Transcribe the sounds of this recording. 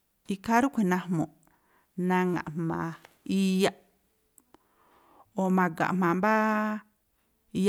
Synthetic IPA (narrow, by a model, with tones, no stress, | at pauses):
i˧ka˦ɾu˦kʷʰẽ˨nã˧hmõ˨ | nã˧ŋã̰˨ʔmã˨ | i˧ja˦ | o˨mã˧ɡã̰˨ʔmmã˨mba˦ | i˧